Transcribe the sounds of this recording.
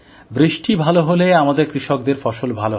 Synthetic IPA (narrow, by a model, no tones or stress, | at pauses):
bɾiʃʈibʱaloɦoleamad̪eɾkɾiʃok̚d̪eɾfɔʃolbʱalo